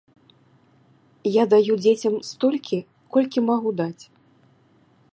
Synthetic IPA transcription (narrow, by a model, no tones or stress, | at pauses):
jad̪ajud͡zʲet͡sʲɐmst̪ɔlʲkʲʰi | kɔlʲkʲimaɣud̪at͡sʲ